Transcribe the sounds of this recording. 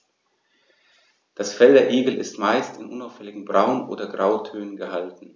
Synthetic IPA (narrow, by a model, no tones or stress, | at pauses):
d̥asfɛldɐʔeːɡl̩ɪ̰stmaɪstɪnʔʊnaʊfhɛlɪɡŋ̩bʁaʊnʔo̰ːdɐɡʁaʊtʰøːnənɡəhaltn̩